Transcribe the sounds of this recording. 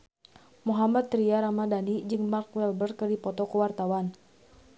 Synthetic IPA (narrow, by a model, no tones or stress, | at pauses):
muɦamat̪ːɾiaɾamadanid͡ʒɨŋmarkwɛlbərkərdipɔt̪ɔkəwart̪awan